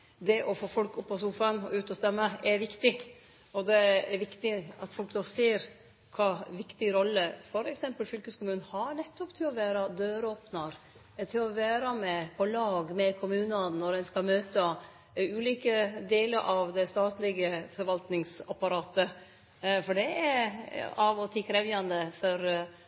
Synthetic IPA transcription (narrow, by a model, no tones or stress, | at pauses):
d̪ɛʔɔfoːfɔlkʊpːɔsuːfənɔʉːt̪ɔst̪ɛmːəɛɾʋɪkt̪ɪ | ɔd̪ɛɛɾʋɪkt̪ɪɑt̪fɔlk̚d̪oːseːɾ | kʰɑːʋɪkt̪ɪɾɔlːəfɔɾɛksɛmpəlfʏlkəskʊmʉːnn̩hɑnɛt̪ːɔpt̪ʰɪlɔʋæːɾɑd̪øːɾoːpnɑɾ | t̪ʰɪlɔʋæːɾɑmɛpʰɔlɑːɡmɛkʰʊmʉːnɑnɔɾɛnskɑmøːt̪ə | ʉːliːkəd̪eːləɾʔɑʋd̪ɛst̪ɑːt̪lɪɡəfɔɾʋɑlt̪nɪŋsɑpɑɾɑːt̪ə | fɔɖɛɛɾɑʋɔt̪ʰiːkʰɾɛʋjɑnd̪əfɔɾ